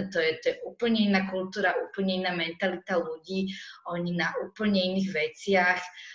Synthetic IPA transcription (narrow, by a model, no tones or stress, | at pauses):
t̪ɔjɛt̪ojɛʔuːpl̩ɲɛinakult̪uːɾaʔuːpl̩ɲɛinamɛnt̪alit̪aluɟiːoɲinaʔuːpl̩ɲɛiniɣʋɛt̪sjax